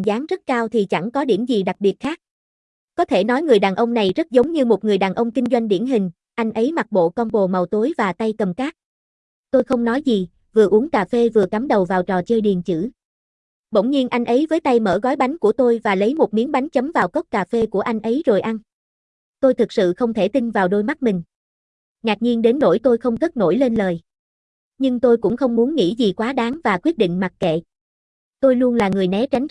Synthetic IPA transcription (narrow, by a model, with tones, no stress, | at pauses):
zaː˨˦ŋzə˦˥t̚kaː˧wt̪ʰi˨˩t͡ɕa˧˩ŋkɔ˨˦ɗi˧˩əmzi˨˩ɗa˨˩k̚ɓi˨˩ət̚xaː˦˥k̚ | kɔ˨˦t̪ʰe˧˩nɔ˨˦jŋɨ˨˩əjɗaː˨˩nʔə˧wŋ͡mna˨˩jzə˦˥t̚zə˨˦wŋ͡mɲɨ˧mo˨˩t̚ŋɨ˨˩əjɗaː˨˩nʔə˧wŋ͡mkï˧ŋ̟zwa˧jŋ̟ɗḭ˧˩ənɦï˨˩ŋ̟ | ʔa˧jŋ̟ʔə˨˦jma˨˩t̚ɓo̰˧˨kɔ˧nɓo̰˧˨mə˨˩wt̪o˨˦jvaː˨˩t̪a˧jkə˨˩mkaː˦˥k̚ | t̪o˧jxə˧wŋ͡mnɔ˨˦jzi˨˩ | vɨ˨˩əʔu˨˦əŋkaː˨˩fe˧vɨ˨˩əka˨˦mɗə˨˩wvaː˨˩wt͡ɕɔ˨˩t͡ɕəː˧jɗi˨˩ənt͡ɕɨ̰˧˥ | ɓə̰˧˩wŋ͡mɲi˧ənʔa˧jŋ̟ʔə˨˦jvəː˨˦jt̪a˧jmə̰ː˧˩ɣɔ˨˦jɓa˨˦jŋ̟ku˧˩ət̪o˧jvaː˨˩lə˨˦jmo˨˩t̚mi˨˦ənɓa˨˦jŋ̟t͡ɕə˨˦mvaː˨˩wkə˦˥wk͡p̚kaː˨˩fe˧ku˧˩əʔa˧jŋ̟ʔə˨˦jzo˨˩jʔa˧n | t̪o˧jt̪ʰɨ˨˩k̚sɨ̰˧˨xə˧wŋ͡mt̪ʰe˧˩t̪i˧nvaː˨˩wɗo˧jma˦˥t̚mï˨˩ŋ̟ | ŋaː˨˩k̚ɲi˧ənɗe˨˦nːo̰˧˥˩jt̪o˧jxə˧wŋ͡mk̪ə˦˥t̚no̰˧˩jle˧nləː˨˩j | ɲɨ˧ŋt̪o˧jkʊ̰˧˥ŋ͡mxə˧wŋ͡mmu˨˦nŋḭ˧˥zi˨˩kwaː˨˦ɗaː˨˦ŋvaː˨˩kwi˦˥ət̚ɗḭ˧˨ŋ̟ma˨˩t̚kḛ˧˨ | t̪o˧jlu˧ənlaː˨˩ŋɨ˨˩əjnɛ˨˦t͡ɕa˨˦jŋ̟